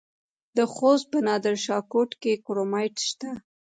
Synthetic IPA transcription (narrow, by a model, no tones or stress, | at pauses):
d̪əxost̪̚pənɑd̪əɾʃɑkoʈkekoɾomɑjʈʃt̪a